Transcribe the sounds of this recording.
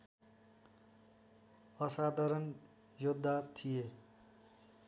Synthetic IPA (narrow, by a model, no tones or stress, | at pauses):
ʌsad̪ʱʌɾʌn | jod̪ʱːat̪ʰije